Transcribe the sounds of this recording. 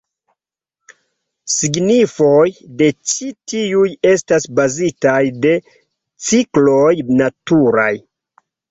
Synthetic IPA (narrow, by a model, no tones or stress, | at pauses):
siɡnifo̞jde̞t͡ʃitiuje̞stasbazitajde̞ | t͡siklo̞jnatuɾaj